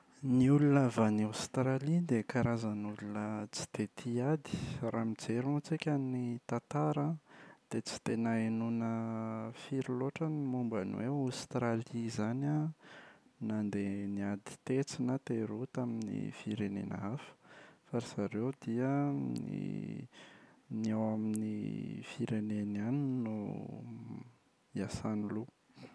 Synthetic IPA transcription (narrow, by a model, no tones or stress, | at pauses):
niulunavaniawst̪ɾalid̪ekaɾazənulunət͡si̥t̪et̪ʰiad̪i̥ramid͡zeɾut͡sikʲannit̪at̪aɾad̪̥et͡si̥t̪enaenunəfiɾiloʈ͡ʂənimumba̰nwewawst̪ɾalizana | nand̪eniad̪i̥t̪et͡sinət̪eɾut̪aminḭfiɾenḛna̰afə̥faɾiz̥aɾewd̪iəḭ | niawaminḭfiɾenenaninṵ | iasanilu